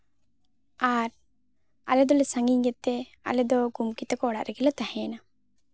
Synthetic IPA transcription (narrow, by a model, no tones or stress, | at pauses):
aɾ | a̰lɛd̪ɔlɛsaŋɡiɲɡɛt̪ːe | a̰lɛd̪ɔɡumkit̪əkɔːɽa̰ʔɾɛɡɛlat̪ahɛ̃na